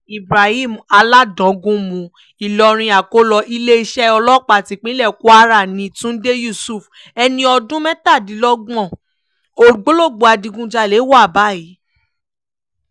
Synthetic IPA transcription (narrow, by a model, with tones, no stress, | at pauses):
i˨bɾa˨hi˦˨ma˧la˦dɔ̃˨˦ɡũ˦mũ˨˧ | i˨lɔ˧ɾ̃ĩ˧a˨ko˦lɔ˧ʔi˦le˦i˧ʃɛ˦ɔ˧lɔ˦k͡pa˨tĩ˨˦k͡pĩ˦lɛ˦˨ko˦a˦ɾa˦˨nĩ˨˧˦tũ˦n̩˦de˦ju˦˨su˨f | ɛ˧nĩ˧ɔ˧dũ˦mɛ̃˦ta˦˨dĩ˨˦lɔ˦ɡ͡bɔ̃˦˨ | o˨ɡ͡bo˦lo˦˨ɡ͡bo˨˦a˧dĩ˧ɡũ˧d͡ʒa˧le˨˦wa˦˨ba˨˦˨i˨˦